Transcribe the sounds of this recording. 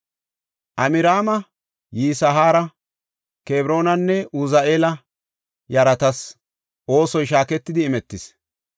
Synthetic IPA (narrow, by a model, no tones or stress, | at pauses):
ʔɐmɪɾaːmɐ | jiːsɐɦaːɾɐ | keːbɾo̞ːnɐnːɛʔʊzɐʔeːlɐ | jɐɾɐt̪ɐs | ʔo̞ːsɔjʃaːkɛt̪ːɪd̪ɪːmɛt̪ːɪs